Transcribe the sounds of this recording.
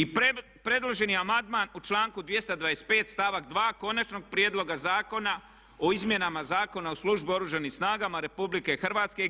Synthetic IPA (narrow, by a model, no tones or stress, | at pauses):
i | pɾe̞d̪lo̞ʒe̞niamand̪maːnut͡ʃlˠaːŋkud̪ʋje̞st̪ad̪ʋajespe̞ːt̪st̪aʋakd̪ʋaːko̞nat͡ʃno̞ɡ̚pɾjed̪lˠo̞ɡazaːko̞na | oizmje̞namazaːko̞naoslˠuʒbio̞ɾuʒanimsnaːɡamaɾe̞publike̞xr̩ʋaːt̪ske̞